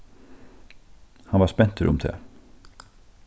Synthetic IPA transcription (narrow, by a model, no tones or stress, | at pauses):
hɑnʋɑːspɛnt̪ʰəɾʊ̰mt̪ʰḛː